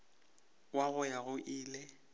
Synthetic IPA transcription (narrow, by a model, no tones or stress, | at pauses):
waɣʊjaɣʊʔiːle